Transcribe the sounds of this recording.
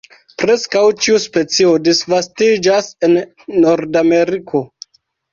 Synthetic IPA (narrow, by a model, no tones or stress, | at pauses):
pɾe̞skawt͡ʃiuspe̞t͡sio̞disvastid͡ʒase̞nː | o̞ɾdame̞ɾikʰo̞